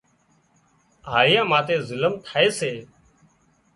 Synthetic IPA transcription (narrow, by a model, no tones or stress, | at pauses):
ɦaːɾɪjãːmaːt̪eːzɪləmt̪ʰaːeːseː